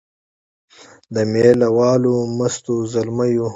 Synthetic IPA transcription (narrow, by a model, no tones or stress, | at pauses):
d̪əmeːlɐwɑːlomɐst̪ozɐlmaju